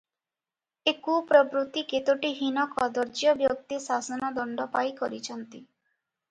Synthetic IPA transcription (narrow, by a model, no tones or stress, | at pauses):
ekupɾɔbɾut̪iket̪oʈiɦinɔkɔd̪ɔɾd͡ʒjɔbjok̚t̪isasɔnɔd̪ɔɳɖɔpajkɔɾit͡ʃʰɔnt̪i